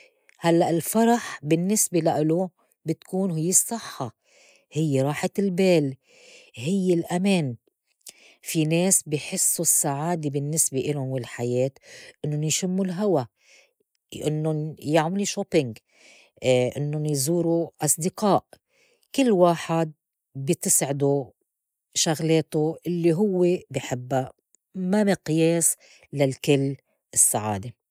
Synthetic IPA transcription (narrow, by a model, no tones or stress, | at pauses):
halːaʔɪlfɑɾˤɑħbɪnːɪsbelaʔɪlu | bɪt̪kuːnɦɪjːɪsˤːɨħːɑ | hɪjːeɾˤɑːħalbeːl | hɪjːɪlʔameːn | fineːsbɪjħɪsːusːaʕaːd̪ebɪnːɪsbeʔɪlʊnwɪlħajeːt̪ʔɪnːʊnjʃɪmːulɦawa | ʔɪnːʊnjaʕmɪliʃopɪŋɡ | ʔɪnːʊnjzuːɾuʔɑsˤd̪ɪqɑːʔ | kɪlːwaːħad̪̚ | bɪt̪ɪsʕɪd̪u | ʃaɣleːt̪uʔɪlːiɦʊwːebɪħɪbːa | mamɪqjeːs | lalkɪlː | ɪsːaʕa̰ːd̪e